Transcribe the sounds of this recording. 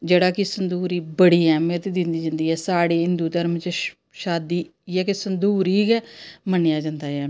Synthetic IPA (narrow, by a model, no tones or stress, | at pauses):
d͡ʒeːɽaːkɪsənd̪uːɾiːbəɽiːɛːmet̪eːd̪ɪnd̪iːd͡ʒənd̪iːɛːsaːɽeːɦɪnd̪uːt̪əɾmt͡ʃ | ʃaːd̪iːjɛːkɪsənd̪uːɾiːkɛːmənɪjaːd͡ʒənd̪aːɛː